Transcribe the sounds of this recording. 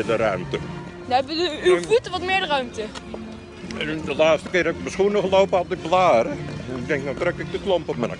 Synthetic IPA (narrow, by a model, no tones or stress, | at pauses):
dərœɥmtə | dɛbʋədəyfutʋɔtmɪdərœɥmtə | dəlaːstə̥kɪːrɛkəbəsχuənəχlowpəapdəblaːɾəɛnɪk̚dɛŋk̚natrɛkɪk̚dəklɔmpɔpma